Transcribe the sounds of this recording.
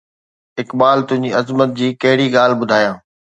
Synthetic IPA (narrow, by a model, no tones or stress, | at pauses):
ɦɪkbaːlt̪ʊ̃ɦɪ̃ɲd͡ʑiɐzmət̪̚d͡ʑiːkɐɦɪɽiɠaːl̤bʊd̪ʱaːjãː